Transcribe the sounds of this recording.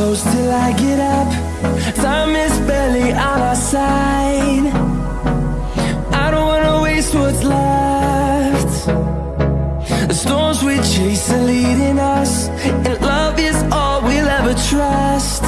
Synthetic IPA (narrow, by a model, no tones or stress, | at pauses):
oʊstʰɪlˠaɪɡɛɾʌp | sãmɪsbɛlˠiʔənaɪsaɪd | ʔaɪɾõʊ̃nt̚wɑnəweɪst̚wʌtslʌ | ft | ðɨstɔɹnzwit͡ʃʰeɪsɨ̃nliɾɪ̃nʌs | ɨ̃nlʌvɪzɔlˠwilɛvə˞tʰɹ̥ʌst̚